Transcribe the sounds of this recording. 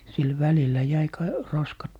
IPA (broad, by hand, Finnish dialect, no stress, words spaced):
sil ʋælilːæ jæi kɑ roskɑt